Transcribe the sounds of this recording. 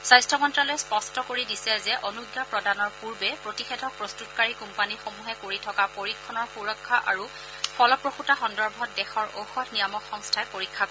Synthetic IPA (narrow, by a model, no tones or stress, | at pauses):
sajstʰɔmɔntɹalojspɔstʰɔkoɹidisɛzɛʔonuɡjapɹɔdanɔɹpuɹbɛpɹotixedʱɔk̚pɹostutɔkaɹikumpanixomuɦɛkoɹitʰɔkapoɹikʰːɔnɔɹpuɹɔkʰːaʔa̰ɹu | pʰɔlɔpɹoxutaxɔndɔɹbʱɔt̚dɛxɔɹo̰wxɔtnijamɔkxɔŋstʰaɛpoɹikʰːak